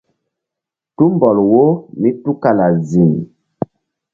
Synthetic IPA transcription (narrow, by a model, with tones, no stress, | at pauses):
tu˦mbɔ˨lwo˦mi˦tu˦ka˨la˨zi˨m˨